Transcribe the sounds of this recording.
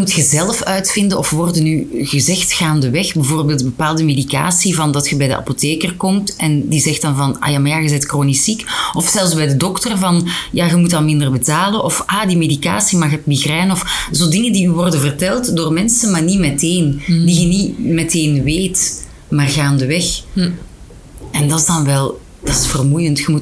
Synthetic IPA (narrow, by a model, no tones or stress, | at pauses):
mutxəzɛlfœɥtfɪndəɔfʋɔrdənyɣəzɛxtxaːndəʋɛxbəvoːrbeːlˠtbəpaːlˠdəmeːdika̰ːsivɑndɑtxəbɛjdə̰ʔa̰poteːkərkɔmtɛndizɛxt̚dɑnvɑna̰jamajaɣəzɛjtkroːnisikɔfsɛlˠfzbɛjdədɔktərvɑnjaɣəmutɑlˠmɪndərbətaːlənʔɔfʔaːdimedika̰ːsimɑxət̚miɣrɛːnɔfzoːdɪŋəndiyʋɔrdənvərtɛlˠtdoːrmɛnsəmaːrnimɛteːndiɣənimɛteːnʋeːt | maːrɣaːndəʋɛx | ʔɛndɑtɪzdɑnʋɛlˠ | d̥ɑtɪ̥sfərmujəntxəmu